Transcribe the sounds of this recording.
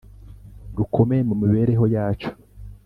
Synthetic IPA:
dukʰo̞me̞emumiβeːɾe̞ɦo̞jaːt͡ʃo̥

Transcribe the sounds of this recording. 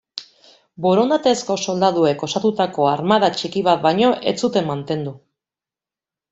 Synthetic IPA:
bo̞ɾo̞nd̪at̪e̞sko̞so̞ld̪að̞ue̞ko̞sat̪ut̪ako̞aɾmaðat͡ʃikiβ̞at̪̚bajɲo̞ʔe̞̰t͡sut̪e̞mːant̪e̞nd̪u

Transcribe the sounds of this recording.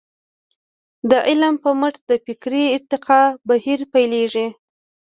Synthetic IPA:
d̪əʔɪlmpəməʈd̪əfɪkɾiːɾt̪ɪqɑbahiɾpajleʐi

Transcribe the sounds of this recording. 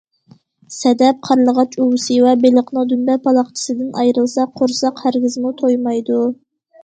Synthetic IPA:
sɛd̪ɛp̚qʰɑɾlˠəʁɑt͡ʃuwɨsɨwɛbeləqnɨ̃ŋd̪ynbɛpʰɑlˠɑχt͡ʃʰi̥sɨd̪ɪnʔɑjɾɨlˠsɑqʰoɾsɑqhæɾɡʲɪzmut̪ʰojmɑjd̪u

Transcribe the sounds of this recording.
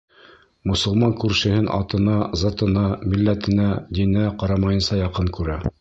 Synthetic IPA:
mŏsŏlˠmɑŋkʉɾʃɘ̆hɘnʔɑ̰t̪ɤ̆nɑzɑt̪ɤ̆nɑmilːæt̪ɘ̆næd̪inæqɑɾɑmɑjɤ̆nsɑjɑqɤŋkʉɾæ

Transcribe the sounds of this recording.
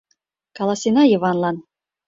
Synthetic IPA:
kɑlˠɑsʲinɑjɤ̆βɑnlɑn

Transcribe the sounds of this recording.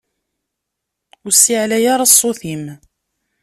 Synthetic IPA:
ʊsːiʕlæjaɾˤɑsˤːoθim

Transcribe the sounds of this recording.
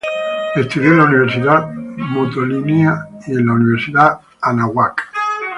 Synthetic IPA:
est̪uðjolauniβ̞eɾsiðamot̪oliniaielauniβeɾsiða | anaɣwak

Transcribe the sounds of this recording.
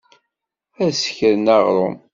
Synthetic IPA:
æsə̥çəɾnɑʁɾˤo̰m

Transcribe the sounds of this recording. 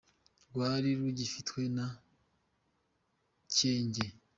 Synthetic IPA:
ɡwaːɾiɾuɟifitwe̞na | ce̞ːɲɟe

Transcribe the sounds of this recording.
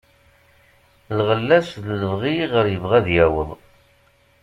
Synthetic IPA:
lʁəlːæsðləvʁiʁəɾjəvʁæðjæwə̰ðˤ

